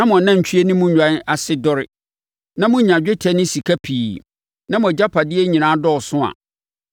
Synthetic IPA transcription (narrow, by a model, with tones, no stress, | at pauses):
nã˦mʊ̃˨nã˦˨ɲ̩˨t͡ɕᶣʰɥe˦nʊ̃˦mũ˦ɲᶣ˨ã˦n˦a˨sɪ˦dɔ˦ɾɪ˦ | nã˦mʊ̃˦ɲã˨d͡ʑᶣɪ˦tʰɛ˦nɪ̃˦si˨kʰa˦pʰi˨ | nã˦mʊ̃˨d͡ʑa˦pʰa˨dɪ˦ɛ˦ɲĩ˨nãː˦dɔ˦˨sʊ̃˦a̰˨